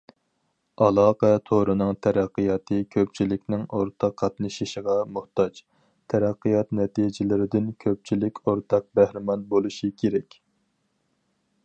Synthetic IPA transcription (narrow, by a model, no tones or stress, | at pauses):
ɑlˠɑːqɛt̪ʰoɾɨnɨŋt̪ʰɛɾæqːijɑːt̪ʰɨkʲʰøp̚t͡ʃʰilɪkʲnɪŋoɾt̪ʰɑqʰːɑt̪nɨʃiʃəʁɑmuht̪ɑt͡ʃ | t̪ʰɛɾæqːijɑt̪nɛt̪ʰid͡ʒɪlɪɾɪd̪ɪnkʲʰøp̚t͡ʃʰilɪkʲʰoɾt̪ʰɑq̚bæhɾɪmɑnbolˠuʃikʲʰeɾɛkʲ